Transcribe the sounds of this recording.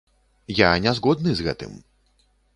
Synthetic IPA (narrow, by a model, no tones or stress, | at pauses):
janʲɛzɣɔd̪nɨzɣɛt̪ɨ̰m